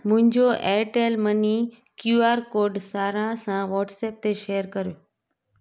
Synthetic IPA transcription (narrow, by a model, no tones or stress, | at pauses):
mʊ̃ɦɪ̃ɲd͡ʑoʔeːʈeːlmɐni | kjuːaːɾkoːɾɖsaːɾãsãʋɔːʈseːp̚t̪eʃeːəɾkɐɾijoː